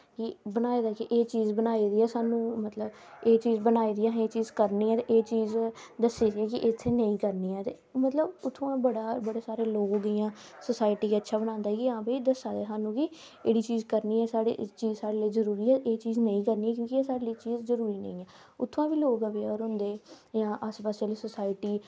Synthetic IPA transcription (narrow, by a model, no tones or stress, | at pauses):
kɪbənaːeːd̪aːkɪʔeːt͡ʃiːzbənaːiːd̪iːɛːsaːnũːmət̪ləb | eːt͡ʃiːzbənaːiːd̪iːãːɦeːt͡ʃiːzkəɾniːɛːt̪eːʔeːt͡ʃiːzd̪əsːiːd̪iɛːkɪʔɪt̪ʰːeːnəĩːkəɾniːɛːt̪eːmət̪ləbʊt̪ʰːõãːbəɽaːbəɽeːsaːɾeːloːɡɪːãːsəsaːɪʈiːkːətːʃʰaːbəñãːnd̪aːkiãːbəiːd̪əsːaːd̪eːsaːnũːkɪ | ḛːɽiːt͡ʃiːzkəɾniːɛːsaːɽḛːt͡ʃiːzsaːɽeːleːzəɾuːɾiːɛːʔeːt͡ʃiːznəĩːkəɾniːɛːkjõːkɪeːsaːɽeːliːt͡ʃiːzzəɾuːɾiːnə̰ĩːɛː | ʊt̪ʰːãːbiːloːɡəʋeːɔːɾɦʊ̃nd̪eː | jãːʔəspəsaːleːsəsaːɪʈiː